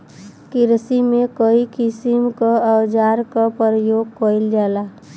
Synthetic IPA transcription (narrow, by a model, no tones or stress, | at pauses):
kɪɾsimekəikisimkaəwd͡ʒaɾkapəɾəjoɡ̚kəɪld͡ʒala